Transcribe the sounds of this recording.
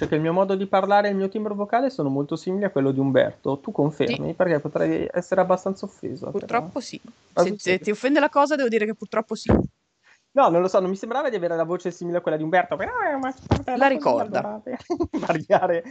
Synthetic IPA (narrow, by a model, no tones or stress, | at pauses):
t͡ʃoɛkːeilmiːomɔːd̪od̪iparlaːɾeilmiːot̪imbɾovokaːlesoːnomolt̪osiːmiliakːwelːod̪iumbɛ̰rt̪ot̪ukːoɱfḛrmḭperkɛpot̪ɾɛ̰jɛ̰sːeɾeabːast̪ant̪saofːḛːzo̰purt̪ɾɔpːosi | eet̪ːiofːɛnd̪elakɔːzad̪ɛːvod̪iːɾekepːurt̪ɾɔpːosi | nɔnõnlosɔnomːisembɾaːvad̪iaveːɾelavoːt͡ʃesiːmileakːwelːad̪iumbɛrt̪opaknɔɛmḁpant̪alaɾikɔ̰rd̪a̰at̪evaɾjaːɾe